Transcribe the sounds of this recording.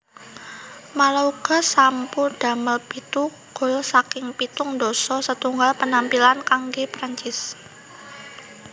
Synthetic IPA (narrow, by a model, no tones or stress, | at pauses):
malauɡ̥a̤sampud̥a̤məlpit̪u | ɡ̥ɔ̤lsakɪŋpit̪ʊŋdɔsɔsət̪uŋɡalpənampilankaŋɡepɾaɲt͡ʃɪs